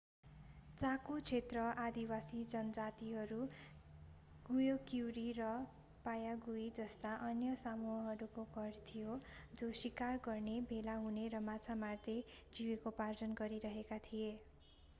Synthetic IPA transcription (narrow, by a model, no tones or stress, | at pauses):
t͡sakut͡sʰet̪rʌʔad̪iwasid͡zʌnʌd͡zat̪iɦʌɾu | ɡujokiwɾirʌ | pajaɡuid͡zʌst̪aʔʌnjʌsamuɦʌɦʌɾukoɡʌrt̪ʰijod͡zoswikarɡʌrnebʱelaɦuneɾʌmat͡sʰamard̪e | d͡ziwekopard͡zʌnɡʌɾiɾʌɦekat̪ʰije